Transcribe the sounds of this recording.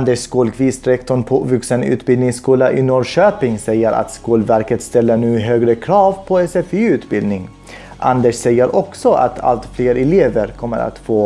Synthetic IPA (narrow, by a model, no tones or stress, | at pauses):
nd̪əʂkɔlkʰviːst̪ɾɛkt̪ɔɳpʰovɵksənʉ̰ːt̪bɪld̪nɪŋskuːlaʔɪnɔɖʂøːpɪŋsɛjːəɾʔa̰t̪skuːlvæɾkət̪st̪ɛlːəɳʉ̟ːɦøːɡɾəkʰɾɑːvpʰɔɛsɛfiʉ̟ːt̪bɪld̪nɪŋ | ʔand̪əʂsɛjːəɾʔɔksɔʔa̰t̪ʰa̰lt̪fleːɾɛleːvəɾkʰɔmːə̰ɾa̰t̪foː